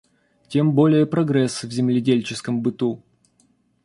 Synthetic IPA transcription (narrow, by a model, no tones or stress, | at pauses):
tʲe̞mbo̞lʲɪjəpɾɐɡɾɛsvzʲɪmlʲɪdʲelʲt͡ɕɪskəmbɨt̪u